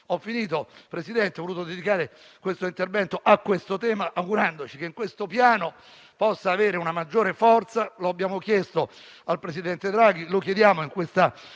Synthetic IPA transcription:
ɔfːiniːt̪opɾesid̪ɛnt̪eɔvːoluːt̪od̪ed̪ikaːɾe | kwest̪oint̪ervɛnt̪oʔakːwest̪ot̪ɛːmaʔaɡuɾand̪ot͡ʃik̟eiŋkwest̪opjaːno | pɔsːaːveːɾeunamad͡ʒːoːɾefɔrt̪saloabːjaːmokjɛst̪o | alpɾesid̪ɛnt̪ed̪ɾaːɡ̟ilokjed̪jaːmoiŋkwest̪a

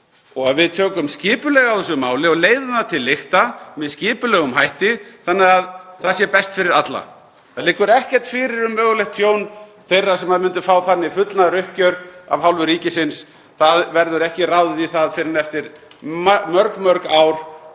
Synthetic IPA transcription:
ɔɣaðvɪðt̪ʰœːkʏmscɪːpʏlɛɣawðɛsʏmaːwlɪɔɣleːjðʏmðaðt̪ʰɪlːɪxt̪amɛðscɪːpʏlɛɣʏmɦajht̪ɪθanːɪɣaðθaðsjɛpɛst̪fɪɾɪɾat̪la̰ | θaðlɪkːʏɾɛhcɛɾ̥t̪fɪɾɪɾʏmːœːɣʏlɛxt̪ʰjoːwnθejrːasɛmaðmʏnt̪ʏfaːwθanːɪifʏt̪lnaɾʏhcœɾa̰vhawlvʏɾiːcɪsɪns | θaðvɛɾðʏɾɛhcɪrawðʏðiθaðfɪɾɪnɛft̪ɪɾ | mœɾkmœɾkaːwɾ̥

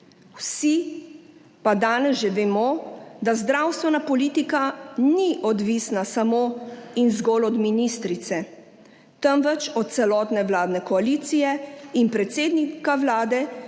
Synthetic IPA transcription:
wsi | pad̪aːnɛzʒɛʋɛmɔd̪azd̪ɾaːwst̪ʋɛnapɔliːt̪ikaniʔɔd̪ʋisnasamoinzɡɔːlɔd̪minist̪ɾit̪sɛ | t̪əmʋɛt͡ʃɔt̪̚t̪sɛlɔːt̪nɛwlaːd̪nɛkɔaliːt̪sijɛinpɾɛt̪seːd̪nikawlaːd̪ɛ

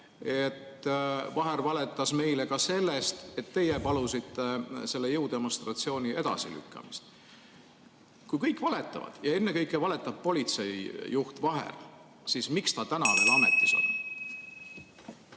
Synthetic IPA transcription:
e̞t̪ːvɑɦe̞ɾvɑle̞t̪ːˑɑsme̞jle̞kɑse̞lːe̞st̪et̪ːe̞jepɑlusit̪ːe̞se̞lːe̞jɤwd̪̥e̞mo̞nst̪rɑt̪sio̞ːnʲiʔe̞d̪̥ɑ̰sḭly̰kːɑ̰mist̪ | kujkɤjkːˑvɑle̞t̪ːˑɑ̰vɑ̰d̪̥jɑe̞nːe̞kɤjkːˑevɑlet̪ˑːɑb̥̚po̞lʲit̪se̞jːuht̪vɑɦḛl | siːsmikst̪ɑt̪ænɑve̞ːlɑme̞t̪ːˑiso̰n

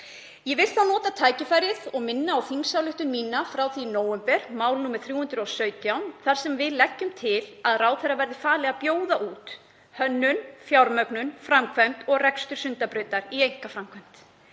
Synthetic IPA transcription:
jɛvɪlst̪θaðnɔːt̪at̪ʰaːjcɪfajɾɪðɔɣmɪnːaːwθiŋsawlʏht̪ʏmmiːnafɾawθinoːwɛmpɛɾ̥maːwlnuːmɪðθɾjuːʏnt̪ɾɔwsœɥt̪jawnθaɾ̥sɛmvɪðlɛcːʏmt̪ʰɪlaðraːwθɛjrːavɛɾðɪfaːlɛɣapjoːwðaʔuːt̪ | hœnːʏnfjawɾmœknʏnfɾamkʰvɛm̥t̪ɔɣrɛkst̪ʏɾ̥sʏnt̪apɾʏːt̪aɾiejŋ̥kafɾamkʰvɛm̥t̪

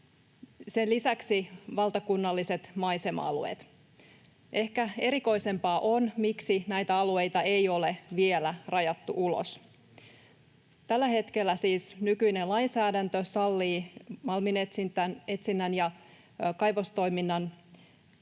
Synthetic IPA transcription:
se̞nlisæksiʋɑlt̪ɑkunːɑlːise̞t̪mɑjse̞m̰ɑ̰luḛːt̪ | ʔe̞hkæe̞ɾiko̞ise̞mpɑːʔo̞nmiksinæjt̪æɑlue̞jt̪ɑe̞jo̞leʋielærɑjɑt̪ːuʔulo̰s | t̪ælːæhe̞t̪kelːæsiːsnykyinenlɑinsæːdænt̪øsɑlːiːmɑlminet̪sint̪æne̞t̪sinːænjɑ | kɑjʋost̪o̞jminːɑn

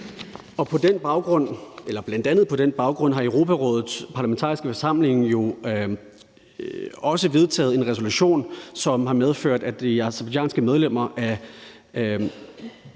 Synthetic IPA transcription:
ɒ̽pʰɒ̽d̥enb̥ɑ̈ʊɡ̥ʁɔ̽n̰elɐb̥lænd̥ænð̩ˠpʰɒ̽d̥enb̥ɑ̈ʊɡ̥ʁɔ̽n̰ɦɑ̈əʊʁo̝pʰæʁɔ̰̽ːðˠð̩ˠspʰɑ̈læment͡sʰɑ̰̈ːʁisɡ̥əfɒsɑ̈m̰le̝ŋjo̝ | ɒ̽səʋe̝ð̞ˠt͡sʰɛ̰ːð̩ˠe̝nʁɛs̬o̝luɕo̝̰ːnsɒ̽mɦɑ̈með̞ˠføɐ̰d̥æd̥iɑ̈sɐb̥ɑ̥̈ɛ̰ːnsɡ̥əmeð̞ˠlem̰ɐʔæ

